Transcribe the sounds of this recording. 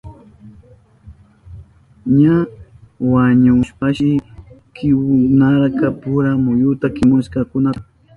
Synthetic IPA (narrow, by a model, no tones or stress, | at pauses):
ɲa | waɲʊʃpaʃɪkʰɪwnaɾkapʊɾamʊjʊt̪akɪmʊʃkɑkʊna